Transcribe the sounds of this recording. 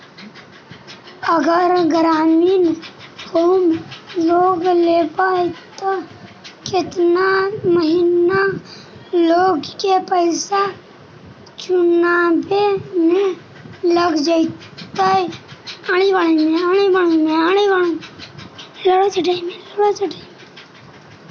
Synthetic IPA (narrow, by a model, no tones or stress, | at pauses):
əɡəɾɡɾaːminhoːmloːɡlepaːet̪o | kɪt̪naməɦɪna | loːɡkepəɪsa | t͡ʃʊnabemẽ | ləɡd͡ʒait̪aiaːɽ̃ibəɽ̃emẽaːɽ̃ibəɽ̃əmẽaːɽ̃ibəɽo | ləɽot͡ʃəʈəmeləɽot͡ʃəʈəme